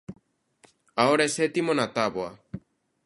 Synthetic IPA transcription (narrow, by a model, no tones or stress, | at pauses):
aɔɽɛsɛt̪imɔnat̪abɔa̰